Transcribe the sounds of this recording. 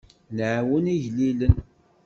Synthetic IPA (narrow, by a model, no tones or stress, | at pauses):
nʕwəniʝlilən